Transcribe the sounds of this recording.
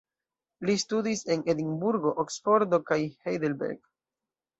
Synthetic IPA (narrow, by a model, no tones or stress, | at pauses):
listudise̞nedinbuɾɡo̞ʔoksfo̞ɾdo̞kajhejdelbḛɾɡ